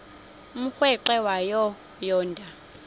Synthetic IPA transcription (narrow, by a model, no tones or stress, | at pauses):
m̩xwɛǃɛwajɔ | jɔːndʱa